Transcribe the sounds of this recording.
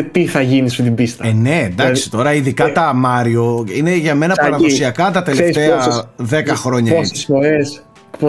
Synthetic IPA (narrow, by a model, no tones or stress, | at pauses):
t̪iθɐʝinisɐfit̪ibist̪ɐne̞ːnd̪ɐkksi̥t̪o̞ɾɐiðikɐt̪ɐmɐɾio̞ine̞ʝɐme̞nɐpɐɾɐðosiɐkɐt̪ɐt̪e̞left̪eɐðe̞kɐxɾo̞ɲɐosesfoɾes | p